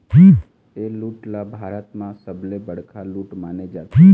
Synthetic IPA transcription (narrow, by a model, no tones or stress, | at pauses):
pi | eluːʈlabʱaːɾət̪mãsəblebəɽ̤kʰaluːʈmaːned͡ʒaːiː